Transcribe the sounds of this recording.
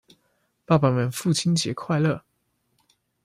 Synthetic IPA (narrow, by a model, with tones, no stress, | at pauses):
pa˥˩pa˨˩mə˨˩nfu˥˩t͡ɕʰi˥nt͡ɕjɛ̰˨˧˥kʰwa˥˧ɪlɤ˥˩